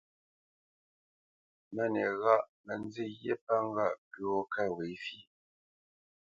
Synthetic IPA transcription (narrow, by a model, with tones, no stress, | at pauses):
mɛ˦˨nɛ˨ɣa˦ʔmə˨n˦d͡ze˦˨je˦pa˦ŋ̩˦ɡa˦˨ʔpi˦˨o˦ka˦˨we˨˦fi˦˨